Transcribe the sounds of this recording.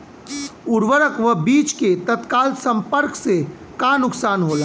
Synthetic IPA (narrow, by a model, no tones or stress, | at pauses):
ʊɾʋəɾəkʋəbiːt͡ʃket̪ət̪kaːlt̪sə̃mpəɾkse | kanʊksaːnɦoːlaː